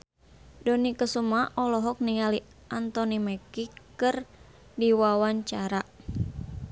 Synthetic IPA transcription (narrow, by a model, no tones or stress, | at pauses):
dɔnikəsumaʔɔlɔɦɔk̚niŋali | ʔant̪ɔnimɛkikɨr | diwawaɲt͡ʃaɾa